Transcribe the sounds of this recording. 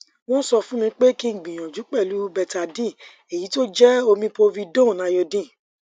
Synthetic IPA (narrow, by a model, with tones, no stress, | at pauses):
wɔ̃˦sɔ˧fũ˦mĩ˧k͡pe˦ki˦ŋ̩˨ɡ͡bĩ˨j̃ɔ̃˨d͡ʒu˨˦k͡pɛ˦˨lu˨˦bɛ˧˨ta˧dĩ˦˨ | e˨ji˨˦to˦d͡ʒɛ˦o˧mĩ˧po˧vi˧dõ˦˨nã˧jɔ˧dĩ˦˨